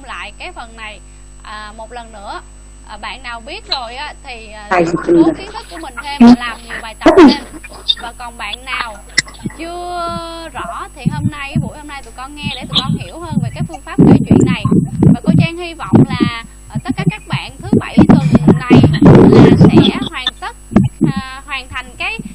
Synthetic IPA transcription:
ʊ̰˧ŋ͡mla̰ː˧˨jkaː˨˦jfə˨˩nːa˨˩j | ʔəː˨˩mo˨˩t̚lə˨˩nːɨ̰˧˥ə | ʔɓa̰ː˧˨nːaː˨˩wɓi˦˥ət̚zo˨˩jʔaː˨˦t̪ʰi˨˩a˨˧˩jzt̪i˧n̚ʰ˨˩˦ku˧˩əmï˨˩ŋʰː˧˨m˨aː˨˩j̪ | aː˨˩kɔ˨˩nɓa̰ː˧˨˩nːaː˧˨˩w | t͡ɕɨ˧ | i˨˧ji˧˩əwəː˧˨˩fɨ˧a˦˥˧wḭ˧˨n˨j | hḭ˧˨w | hwa˨˩ŋʰa˨˩ŋka˨˦

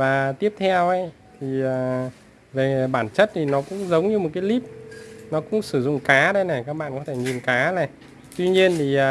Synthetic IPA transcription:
vaː˨˩t̪i˦˥əp̚t̪ʰɛ˧wʔə˨˦j | t̪ʰi˨˩əː˨˩ | ve˨˩ɓaː˧˩nt͡ɕə˦˥t̚t̪ʰi˨˩nɔ˨˦kʊ̰˧˥ŋ͡mzə˨˦wŋ͡mɲɨ˧mo˨˩t̚kaː˨˦jli˦˥p̚nɔ˨˦kʊ̰˧˥ŋ͡msɨ˧˩zʊ̰˧˨ŋ͡mkaː˨˦ɗə˨˦jnɛ˨˩kaː˦˥k̚ɓa̰ː˧˨nkɔ˨˦t̪ʰe˧˩ɲi˨˩nkaː˨˦na˨˩ | t̪wi˧ɲi˧ənt̪ʰi˨˩ʔ

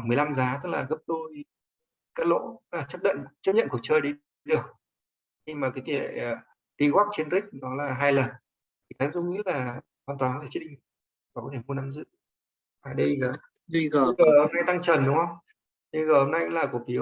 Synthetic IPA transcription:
mɨ˨˩jla˧mzaː˨˦t̪ɨ˦˥k̚laː˨˩ɣə˦˥p̚ɗu˧j | kaː˦˥t̚lo̰˧˥t̪ɨ˦˥klaː˨˩t͡ɕə˦˥ɗə̰˧˨nt͡ɕə˦˥p̚ɲə̰˧˨nku˧˩k̚t͡ɕəː˧jɗi˨˧˦jɗɨ˨˩ək̚ | ɲɨ˧ŋmaː˨˩kaː˨˦t̪i˧˩˨e˧˨˩ | ɗi˧ɣaː˦˥k̚t͡ɕi˧nɾï˦˥k̟̚nɔ˨˦laː˨˩ɦaː˧jlə˨˩n | t̪ʰi˨˩kaː˨˦ŋzʊ˧˦ŋḭ˧˥laː˨˩ | hwaː˨˩nt̪waː˨˩n˧e˧˩t͡ɕi˦˥ɗi˧ŋ˧ | aː˨˩kɔ˨˦t̪ʰe˧˩mu˧na˧mzɨ̰˧˨ | vaː˨˩ɗi˧ɣəː˨˩ | i˧ɣːəː˨˩ho˧mna˧jt̪a˧ŋt͡ɕə˨˩nɗʊ˨˦ŋ͡mhə˧wŋ͡m | ɗi˧ɣəː˨˩ho˧mna˧jlaː˨˩ku˧˩əfi˨˦

